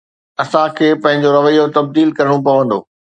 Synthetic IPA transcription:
ɐsãkʰeːpɐ̃ɦɪ̃ɲ̆d͡ʑoɾɐʋəijot̪ɐb̚d̪iːlkɐɾɪɽ̃ũpɐʋə̃nd̪o̰ː

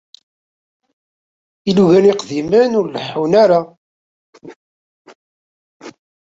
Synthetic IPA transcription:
iluʝænɪqðimənʊɾləħːunæɾa

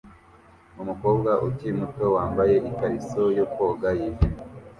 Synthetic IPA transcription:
umuko̞ːbɡaʔutimutowaːmbaje̞ʔikaɾisojukoɡajivi

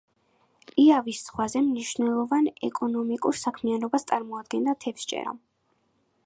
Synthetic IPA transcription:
iavissχwazɛmniʃvnɛlˠɔvanɛ̰kʼɔnɔmikʼuɾsakʰmianɔbast̪sʼaɾmɔad̪̚ɡɛnd̪at̪ʰɛfst͡ʃʼɛ̰ɾa̰

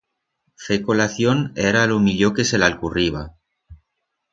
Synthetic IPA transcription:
fekolaθjoneɾalomiʎokeselalkuriβa

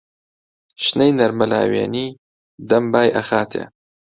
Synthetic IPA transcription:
ʃnɐjnɐɾmɐla̰ːwḛːniː | d̪ɐmbaːjʔɐxaːt̪ʰḛː

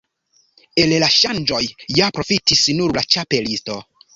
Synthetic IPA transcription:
e̞llaʃand͡ʒo̞jːapɾo̞fitisnuɾlat͡ʃape̞listo̞

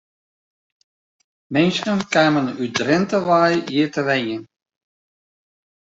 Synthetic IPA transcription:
mɛnsənkaːmənydrɪntəʋaːjiːtəʋɛjən

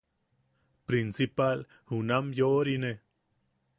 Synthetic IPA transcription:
pɾinsipal | hunamjoʔɾine

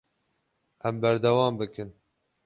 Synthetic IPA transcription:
ʔɛmbæɾd̪ɛwɑːmbɨkɨn

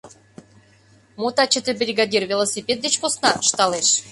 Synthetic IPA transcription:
mot̪ɑt͡ɕə̆t̪ebɾʲiɡɑd̪ʲirvʲelˠosʲipʲet̪̚d̪et͡ɕkosnɑəʃt̪ɑleʃ

